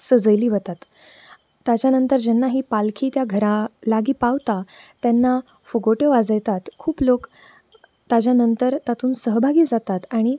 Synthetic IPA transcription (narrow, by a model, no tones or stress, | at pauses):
səd͡zəjliːʋət̪at̪ː | ad͡ʑjanənt̪əɾd͡ʑɛnːaɦiːpalkʰiːt̪jaɡʱəɾãlaɡiːpaʋt̪at̪janːa | foɡoʈəʋad͡zəjt̪at̪kʰuːplok | t̪ad͡ʑjanənt̪əɾt̪at̪uːnsəɦbʱaɡiːd͡zat̪at̪aɽ̃i